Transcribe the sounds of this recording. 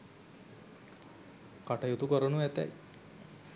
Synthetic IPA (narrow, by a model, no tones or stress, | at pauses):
kaʈɐjut̪ukɔɾɔnuɛt̪ɛ̰j